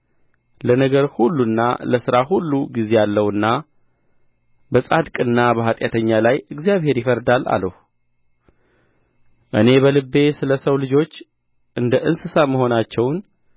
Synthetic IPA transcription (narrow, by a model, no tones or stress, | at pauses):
lənəɡəɾhulːunːa̰ləsɨɾahulːuɡize̞jalːəwɨnːa | bəsʼad̪kʼɨnːabəɦat̪ʼjat̪ʰəɲːalajɨɡzijaβhe̞ɾjɪfəɾd̪alːa̰ləh | ʔɨne̞βəlɨbːe̞sɨləsəwlɨd͡ʒo̞t͡ʃː | ʔɨnd̪əʔɨnsɨsaməɦo̞nat͡ʃːɛwn